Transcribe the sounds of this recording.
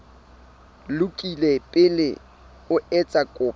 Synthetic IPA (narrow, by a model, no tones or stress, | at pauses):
lʊkʼilepʼɪlɪ | ʊɛt͡sʼakʼʊːp